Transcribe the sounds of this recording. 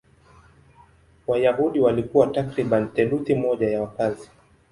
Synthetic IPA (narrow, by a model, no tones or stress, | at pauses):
wajaɦuɗiwalikuwatakɾiɓant̪ɛluθimɔʄajawapazi